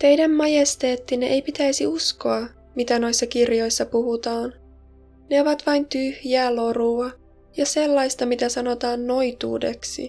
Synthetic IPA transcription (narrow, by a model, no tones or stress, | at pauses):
t̪e̞jdæmːɑjest̪eːt̪ːineʔejpit̪æjsiusko̞ɑ | mit̪æno̞jsːɑkirjo̞jsːɑpuɦut̪ɑːn | ne̞oʋɑt̪ʋɑjnt̪yhjæːlo̞ɾuɑ | jɑse̞lːɑjst̪ɑmit̪æsɑno̞t̪ɑːnːo̞jt̪ṵːdeksḭ